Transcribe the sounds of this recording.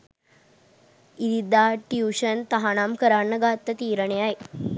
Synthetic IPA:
id̪id̪aʈjuɕənt̪ɐɦanaːmkəɾanːɐɡaːt̪ːət̪iːɾəɳeaj

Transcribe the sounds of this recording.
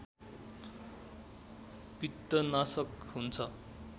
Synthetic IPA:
pit̪ːʌnasʌkɦunt͡sʰʌ

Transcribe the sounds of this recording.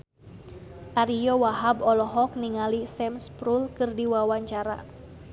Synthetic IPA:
ʔaɾijɔwaɦabɔlɔɦɔk̚niŋalisɛmspɾulkɨrdiwawaɲt͡ʃaɾa̰

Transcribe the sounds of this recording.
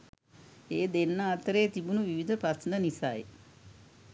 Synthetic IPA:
eːd̪enːaːt̪əɾeːt̪ibunuʋiʋid̪əpɾasnənisaj

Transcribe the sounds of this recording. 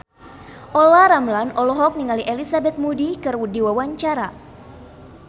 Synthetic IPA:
ʔɔlaɾamlanɔlɔɦɔk̚niŋaliʔelisabɛt̪̚mudikɨrwudiwawaɲt͡ʃaɾa

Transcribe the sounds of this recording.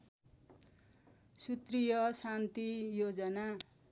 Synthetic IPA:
sut̪rijʌsant̪ijod͡zʌna

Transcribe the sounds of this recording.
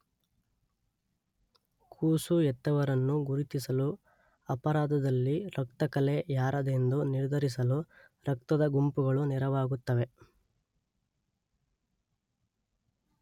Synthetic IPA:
kʰuːsuɛt̪ːɐʋɐɾɐnːuɡuɾit̪isɐlu | ɐpɐɾaːd̪ɐd̪ɐlːiɾɐk̚t̪ɐkɐlejaːɾɐd̪e̞nd̪uniɾd̪ʱɐɾis̬ɐlu | ɾɐk̚t̪ɐd̪ɐɡumpuɡɐɭunɛɾɐʋaːɡut̪ːɐʋe̞

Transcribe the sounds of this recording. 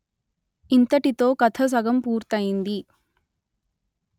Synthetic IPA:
int̪ɐʈit̪o̞ːkɐt̪ʰɐs̬ɐɡɐmpuːɾt̪ɐjind̪i

